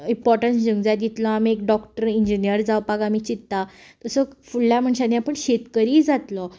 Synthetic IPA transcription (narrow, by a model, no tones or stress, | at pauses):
impɔɾʈənsd͡ʑuŋɡd͡zat̪it̪lɔamiekɖɔkʈəɾiɲd͡ʑinijəɾd͡zawpaɡamiːt͡ɕit̪ːat̪əsəfuɭljam̤əɳɕanĩapəɳɕet̪kəɾiːd͡zat̪lɔ